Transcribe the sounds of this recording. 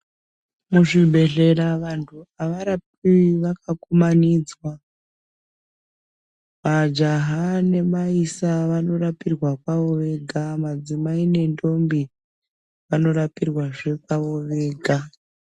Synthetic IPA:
muʐiɓe̞ɮe̞ɾaʋantʰuaʋaɾap̚iʋakakumaniːd͡zwa | mad͡ʒaɦane̞maisaʋano̞rapirwakwaʋo̞ʋe̞ɡʱamad͡zimaine̞ndo̞mbi | ʋano̞ɾapirwaʐe̞kaʋo̞ʋeːɡʱa

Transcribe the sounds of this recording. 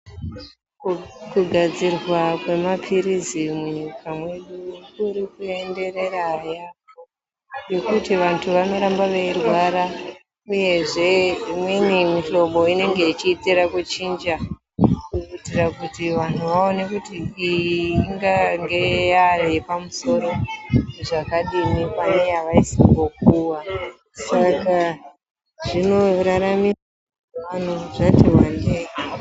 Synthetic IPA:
kuɡʱad͡zirwakwe̞mapʰirizimuɲikʰamwe̞ɗukuɾikue̞nde̞re̞ɾajapo | jo̞kutiʋantʰuʋano̞ɾambaʋeirwaɾa | uje̞ʐe̞imwinimiɬo̞ɓo̞ine̞ŋɡe̞it͡ʃiːtiɾakut͡ʃind͡ʒa | kurutirakutiʋan̤uʋao̞ne̞kutiːiːŋɡaŋɡe̞jarepamuso̞ɾo̞ʐakaɗimipane̞jaʋaisiŋɡo̞k̚uwa | saka | ʐino̞ɾaɾamia | an̤uʐatiwane

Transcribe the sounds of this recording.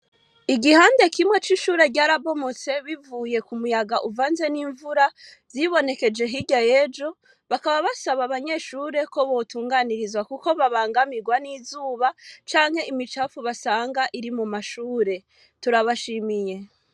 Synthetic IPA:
iɡihaːnde̞kimwe̞t͡ʃiːʃuːɾe̞ɟaːɾaβo̞mo̞t͡se̞βivuːje̞kumujaɡaʔuvaːnze̞niːɱvuɾa | z̥iβo̞ne̞ke̞d͡ʒe̞ɦiɟaje̞d͡ʒo̞ | βakaβaβasaβaβaɲe̞ːʃuːɾe̞ko̞βo̞ːtuːŋɡaniɾizwakuko̞βaβaːŋɡamiɡwaniːzuːβat͡ʃaːŋ̥he̞ʔimit͡ʃafuβasaːŋɡaʔiɾimumaʃuːɾe̞ | tuɾaβaʃimije̞

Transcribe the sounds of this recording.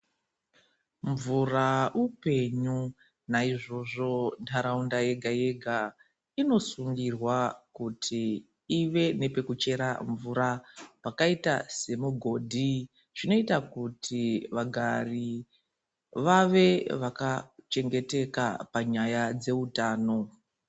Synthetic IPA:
ɱvuraupe̞ɲu | naiʐo̞ʐo̞ntʰaɾaundaje̞ɡʱaje̞ɡʱa | ino̞suŋɡirwakutʰiː | ʋe̞ne̞pe̞kut͡ʃe̞ɾaɱvuɾapakaitase̞muɡʱo̞dʱi | t͡ʃino̞itakutʰiʋaɡʱari | ʋaʋe̞ʋakat͡ʃe̞ŋɡe̞te̞kapaɲajad͡ze̞utaːno̞

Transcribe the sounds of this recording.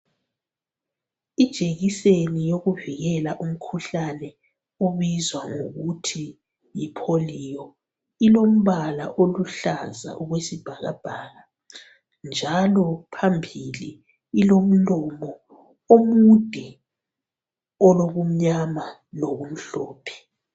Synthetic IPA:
id̥ʒ̥ʱʼeɣisenijoɣuviɣɛlaʔum̩kʰuɬanɛ | uβizwaŋoɣutʰi | jipʰoliːjɔ | ilom̩βala̰ʔoluɬa̰za̰ʔuɣwesib̥ʱaɣa̰b̥ʱaːɣa | nd͡ʒʱalɔpʰambʱiliː | lom̩lɔmɔ | omud̥ʱi | ɔloɣum̩ɲama | noɣum̩ɬɔːpʰɛ̥

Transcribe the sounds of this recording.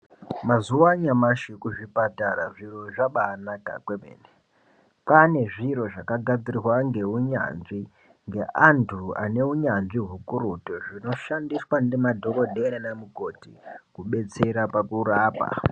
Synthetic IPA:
mazuwaɲamaʃikuʐipataɾa̰ʐiro̞ʐaɓaːnaka̰kwemḛːne | pane̞ʐiɾo̞ʐakaɡʱad͡zirirwaŋɡe̞uɲa̰nʐi | ŋɡe̞̰ʔantʰua̰ne̞uɲanʐiɦukuɾutoʐino̞ʃandiswanemadʱo̞ko̞dʱenenamuɡʱo̞tikuɓe̞t͡se̞ɾapakuraːpa̰

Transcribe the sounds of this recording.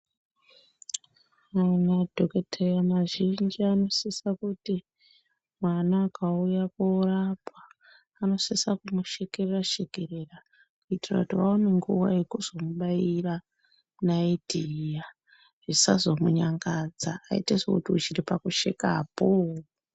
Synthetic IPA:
anadʱoketʰejamaʒind͡ʒiano̞sisakuti | mwanaːkaujakourapaː | no̞sisakumuʃekereraʃeɡʱe̞re̞ra | kuitira̰kutiʋaoneŋɡuʋa̰jekuz̥o̞muɓaira | naidʱija | ʐ̥isazo̞muɲaŋɡad͡za̰ːḭtesḛkutiut͡ʃiripakuʃḛkapo

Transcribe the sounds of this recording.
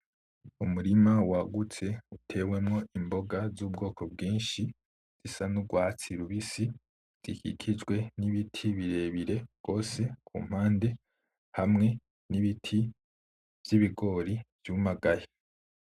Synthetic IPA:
umuɾimawaɡut͡se̞utʰe̞ːwe̞mŋo̞ʔimbo̞ɡazuːb̚ɡo̞ːko̞b̚ɡiːnʃi | z̥isanuɡwaːt͡siɾuβisi | z̥ḭkḭkʰid͡ʒɡwe̞niβitʰiβiɾe̞ːβiɾe̞ɡ̥o̞ːse̞kʰṵːm̥haːnde̞ | hamŋe̞ | niβitʰi | v̥jiβiɡo̞ːɾiv̥juːmaɡaje

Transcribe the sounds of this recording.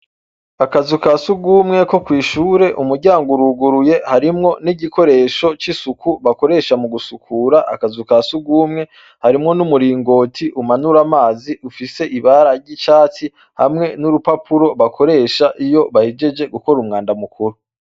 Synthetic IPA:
akazukasuɡuːmŋe̞ko̞kwiːʃuːɾe̞ʔumuɾɟaːŋɡuɾuɡuɾuje̞haɾimŋo̞niɟiko̞ɾe̞ʃo̞t͡ʃisukuβako̞ɾe̞ːʃamuɡusukʰuɾaʔa̰kazukasuɡuːmŋe̞ | haɾimŋo̞numuɾiːŋɡo̞tʰiʔumanuɾamaːziufise̞ʔiβaɾaɾɟit͡ʃaːt͡si | ha̰mŋe̞nuɾupapʰuɾo̞βakʰo̞ɾe̞ːʃaʔijo̞βahid͡ʒe̞d͡ʒe̞ɡuko̞ɾumŋaːndamukʰuɾu

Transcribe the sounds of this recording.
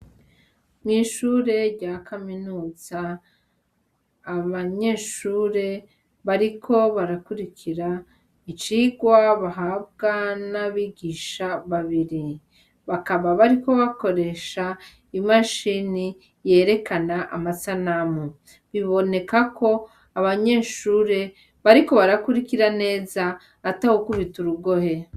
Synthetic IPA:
mŋiːʃuɾe̞ɟakʰaminuːz̥a | βaɲe̞ːʃuɾe̞ | βaɾikʰo̞βaɾakuɾikʰiɾa | it͡ʃiɡwaβaɦab̚ɡanaβiɡiʃaβaβiɾi | βakaβaβaɾiko̞βako̞ɾe̞ʃa | imaʃini | je̞ːɾe̞kanaʔamasanamu | βiβo̞ne̞kakʰo̞ | aβaɲe̞ːʃuːɾe̞ | βaɾiko̞βaɾakuɾikiɾane̞ːzaː | tahokuβituɾuɡo̞he̞

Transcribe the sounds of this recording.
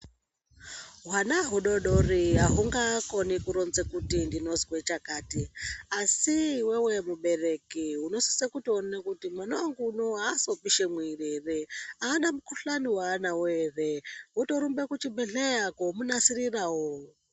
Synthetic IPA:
ɦwanaɦuɗoɗoriɦaɦuŋɡakonikuɾonzekutindino̞zwet͡ʃakaːtiasiwewemuɓe̞re̞kiɦuno̞si̥sekutionekutimanoaŋɡunoɦaːso̞piʃemwirereaːɗamukuɬaniwaːnaweːβeɦuto̞ɾumbekut͡ʃibeɬejakomunasirirawo

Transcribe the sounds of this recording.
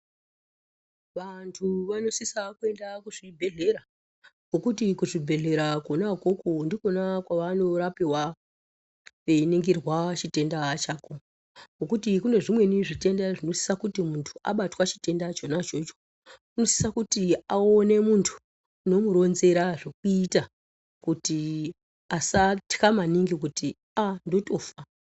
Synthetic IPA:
ʋantʰuʋano̞sisakue̞ndakuʐ̥ibʱe̞ɮe̞ɾa | ɡokutikuʐibʱe̞ɮe̞ɾakonako̞kondikonakwaʋano̞ɾapiwa | einiŋɡirwat͡ʃite̞ndat͡ʃaːko | ŋokutikune̞ʐimwe̞niʐite̞ndaʐino̞si̥sakutimuntʰu̥a̰ɓatwat͡ʃi̥te̞ndat͡ʃo̞nat͡ʃo̞t͡ʃo̥ | kuno̞si̥sakutiaone̞muntʰu̥ː | no̞muɾo̞nze̞ɾaʐok̚uita | kuti | asatikamaniŋɡikuti | ando̞to̞fa

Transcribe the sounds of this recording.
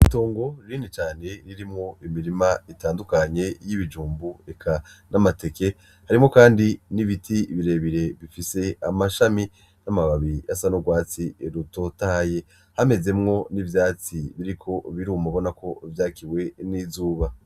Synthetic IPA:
ito̞ːŋɡo̞ɾinit͡ʃaːne̞ɾiɾimŋo̞imiɾimaitaːndukaɲe̞jiβid͡ʒuːmbuekʰanʔamate̞ke̞ | haɾimŋo̞kaːndiniβitʰiβiɾe̞βiɾe̞βifise̞a̰maʃami | namaβaβijasanoɡwaːt͡siɾuto̞taaje̞ | hame̞ze̞mŋo̞nivjaːt͡siβiɾikʰo̞βiɾuːmaβo̞nako̞vjaːkiwe̞nizuːβa

